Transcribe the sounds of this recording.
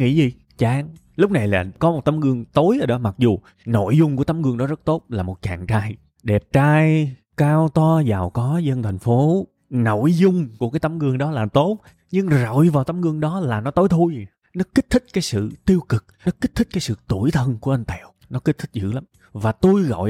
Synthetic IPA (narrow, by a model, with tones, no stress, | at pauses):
ŋḭ˧˥zi˨˩ | t͡ɕaː˧˨˩ŋ | lʊ˦˥k͡p̚na˨˩jlaː˨˩kɔ˨˦mo˨˩t̚t̪a˨˦mɣɨ˧əŋt̪o˨˦jʔəː˨˩ɗɔ˨˦ma˨˩k̚zu˨˩ | no̰˧˨jzʊ˧ŋ͡mku˧˩ət̪a˨˦mɣɨ˧əŋɗɔ˨˦zə˦˥t̚t̪o˦˥t̚laː˨˩mo˨˩t̚t͡ɕa̰ː˨˩ŋt͡ɕaː˧j | ɗɛ˨˩p̚t͡ɕaː˧j | kaː˧wt̪ɔ˧zaː˨˩wkɔ˨˦zə˧nt̪ʰa˨˩jŋ̟fo˨˦ | no̰˧˨jzʊ˧ŋ͡mku˧˩əkaː˨˦jt̪a˨˦mɣɨ˧əŋɗɔ˨˦laː˨˩t̪o˦˥t̚ | ɲɨ˧ŋzə̰˧˨jvaː˨˩wt̪a˨˦mɣɨ˧əŋɗɔ˨˦laː˨˩nɔ˨˦t̪o˨˦jt̪ʰu˧j | nɔ˨˦ki˦˥t̟̚t̪ʰï˦˥k̟̚kaː˨˦jsɨ̰˧˨t̪i˧əwkɨ˨˩k̚nɔ˨˦ki˦˥t̚t̪ʰï̟˦˥kaː˨˦jsɨ̰˧˨t̪u˧˩əjt̪ʰə˧nku˧˩əʔa˧n̟t̪ɛ˧˩˨w | nɔ˨˦ki̟˦˥t̪ʰï˦˥k̚zɨ̰˧˥la˨˦m | vaː˨˩t̪u˧jɣɔ̰˧˨j